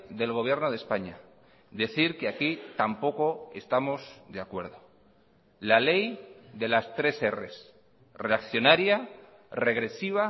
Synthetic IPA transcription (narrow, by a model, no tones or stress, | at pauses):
ðe̞lɣ̞o̞β̞je̞ɾnoð̞espaɲa | ðe̞θiɾkeakit̪ampo̞ko̞e̞st̪amo̞zðeakwe̞ɾðo̞ | lale̞jðe̞last̪ɾe̞se̞re̞̰s | re̞akθjo̞naɾja | re̞ɣ̞ɾe̞siβ̞a